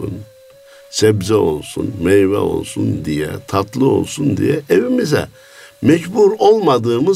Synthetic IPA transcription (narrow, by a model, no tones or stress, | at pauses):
un | sɛbzɛo̞lˠsunmɛjvɛ̰o̞̰lˠsund̪ijɛ̰t̪ʰat̪ʰlˠɯo̞̰lˠsund̪ḭjɛevimizɛ̰ | mɛɟbuɾo̞lˠmad̪ɯːmɯ